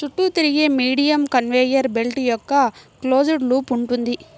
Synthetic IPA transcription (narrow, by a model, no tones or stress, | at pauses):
t͡ʃuʈːut̪iɾiɡeːmiːɽijɐmkɐnʋeːjɐɾbelʈijɔkːɐklo̞ːd͡ʒuɖlupuɳʈund̪i